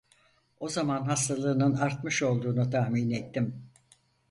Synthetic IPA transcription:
o̞zamanɦast̪ʰalˠɯːnɯnaɾt̪̚mɯʃo̞lˠd̪uːnut̪ʰahminet̪ːim

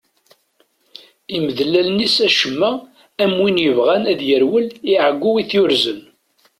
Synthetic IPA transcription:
iməðlælnisæʃəmːæ | æmwinjəvʁænæðjəɾwəliʕəɡʷːuwiθjʊɾzən

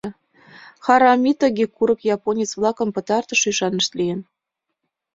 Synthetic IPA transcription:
xɑɾɑmʲit̪əɣʲekuɾɤ̆kjɑponʲit͡sβlɑkə̆mpɤ̆t̪ɑrt̪ə̆ʃyʃɑnə̆ʃt̪lijə̆n

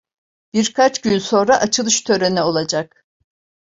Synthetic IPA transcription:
b̥iɾkʰat͡ʃɟ̥ynso̞nɾaʔat͡ʃʰɯlˠɯʃt̪ʰø̞ɾenɛo̞lˠad͡ʒak̚

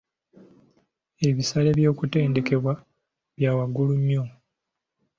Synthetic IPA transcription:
e̞βisale̞βjo̞ːkute̞ːnde̞ke̞βwa | βjaːwaɡuluɲjo

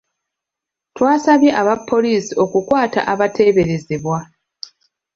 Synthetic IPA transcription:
twaːsaβje̞ʔaβapːo̞liːsio̞kukwaːta̰ʔaβatʰe̞ːβe̞ɾe̞zeβwa

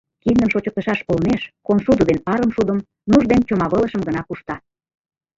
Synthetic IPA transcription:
kind̪əmʃot͡ɕə̆k̚t̪əʃɑʃolneʃkonsud̪uβenɑɾə̆mʃud̪əm | nuʒd̪ent͡ɕomɑβɤləʃəmɡə̆nɑkuʃt̪ɑ

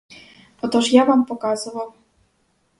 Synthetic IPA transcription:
ɔt̪uʂjavampɔkazɔwaw

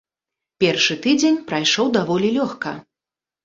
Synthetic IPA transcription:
pʲɛrʂɨt̪ɨd͡zʲenʲpɾajʂɔwd̪avɔlʲilʲɔxkɐ̰

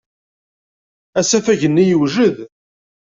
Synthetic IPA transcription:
æsæfæʝənːijəwʒəð

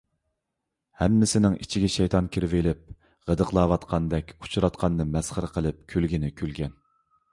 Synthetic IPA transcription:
hɛmːɪsɪnɪŋʔit͡ʃʰiɡʲɛʃɛjt̪ʰɑnkʲʰiɾvɪlɪp̚ | ʁəd̪əqlˠɑːwɑt̪qʰɑnd̪ɛkʲu̥t͡ʃʰuɾɑt̪qʰɑnːɨmɛsχəɾəqʰəlˠɨp̚kʲʰølɡʲinɪkʲʰølɡʲɛn

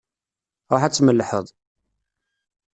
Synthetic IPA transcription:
ɾoħæt͡sːməlːħəðˤ

